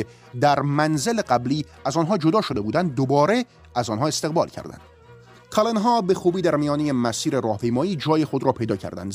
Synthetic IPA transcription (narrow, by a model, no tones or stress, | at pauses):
d̪æɾmænzeleɢæbliː | æzɒːnɦɒːd͡ʒod̪ɒːʃod̪e̞buːd̪ænd̪ːobɒːɾe̞ | æzɒːnɦɒːe̞st̪eɣbɒːlcʰæ̰ɾd̪æ̰nd̪̥ | kʰɑlenɦɒːbe̞xuːbiːd̪æɾmijɒːnejemæsiːɾeɾɒːhpʰejmɒːiːd͡ʒɒːjexod̪ɾɒːpʰe̞jd̪ɒːcʰæ̰ɾd̪æ̰nd̪